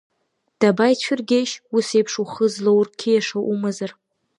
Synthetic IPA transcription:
d̥abajt͡ɕʷʰʏrɡʲeʃusejpʰʂuχəzlowrkʲʰijaʂaʔumazar

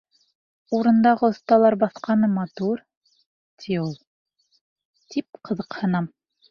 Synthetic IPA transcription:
uɾɤ̆nd̪ɑʁɤŏθt̪ɑlˠɑɾbɑθqɑnɤmɑt̪uɾ | t̪ʰiulˠ | t̪ip̚qɤ̆ðɤqhɤ̆nɑm

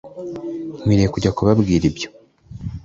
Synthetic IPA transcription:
mwiːɾekuɟakuβabɡiːɾibjo̞

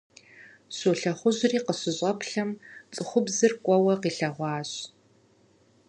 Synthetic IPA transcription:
soːɬɐχʷʊʑriːqəɕɪʑɕʼɐpʰɬɐmt͡sʼɨχʷʊbzɨrkʷʼɔwɐqiːɬɐʁʷɑːɕ

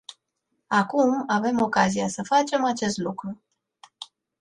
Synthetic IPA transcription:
akumave̞mo̞kaziasəfat͡ʃe̞mat͡ʃe̞st̪lukɾu

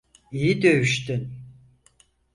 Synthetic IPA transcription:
ijid̪ø̞jyʃt̪yn

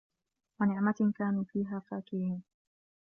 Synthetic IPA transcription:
wanɪʕmakaːnuːfiːɦaːfaːkɪɾiːn

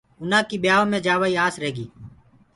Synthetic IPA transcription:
ʊnãːkiːɓɪjaːõːmẽːd͡ʒaːʋaːiːaːsɾeːɡiː

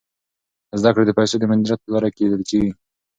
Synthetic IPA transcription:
zd̪akɽed̪əpajsed̪əmand̪iɾat̪̚pəlɑɾaked̪əlt͡ʃewi

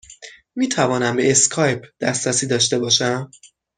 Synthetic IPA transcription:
miːt̪ʰævɒːnæmbe̞eskʰɒːjp̚ʰd̪̥æ̰st̪ɾæsiːd̪ɒːʃt̪e̞bɒːʃæm

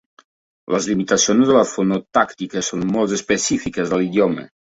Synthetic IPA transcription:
ləzlimit̪asionzðələfonot̪akt̪ikəsonmolˠzespəsifikəzðəliðjɔmə̰

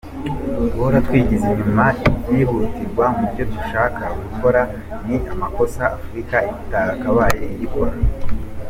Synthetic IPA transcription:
twoɾatwiːɟiziɲumaibjiːhutiɾɡwamubɟo̞tuʃaːkaɡukʰo̞ɾa | niamako̞saːfuɾikaiitaakaβaːjeiɟiko̞ɾa

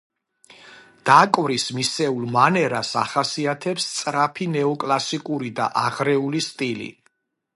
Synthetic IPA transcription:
d̪̥akʼwɾismisɛulˠmanɛɾasaχasiat̪ʰɛpst̪sʼɾapʰinɛɔkʼlasikʼuɾid̪a̰ʔaʁɾɛulist̪ʼilḭ

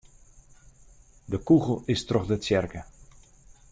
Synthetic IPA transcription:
dəkuɣl̩ˠɪstrɔxdətsjɛrkə

